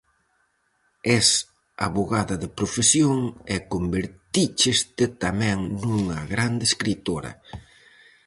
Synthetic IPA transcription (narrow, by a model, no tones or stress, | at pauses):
ɛs | a̰βoɣaðɐðepɾofesjoŋɛkombeɾt̪it͡ʃɪst̪ɪt̪amɛ̃ŋnuŋɐɣɾand̪eːskɾit̪oɾɐ̰